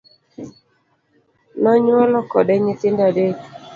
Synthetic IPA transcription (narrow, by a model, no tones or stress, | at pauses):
nɔɲwɔlɔkɔdɛɲɪtɪndade